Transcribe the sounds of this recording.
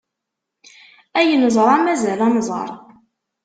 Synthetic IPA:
æjənzˤəɾˤæmæzælɑmzˤɑ̰ɾˤ

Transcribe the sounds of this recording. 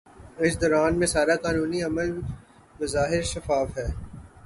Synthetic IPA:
ɪsd̪ɔːɾaːnmẽsaːɾakaːnuːniɐməl | bɐzaːɦɪɾʃɐfaːfɦɛː

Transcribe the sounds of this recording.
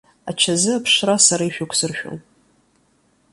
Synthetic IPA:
at͡ʃʰazɨapʰʂrasaɾaiʃᶣʊkʷʰsɨrʃᶣo̰n

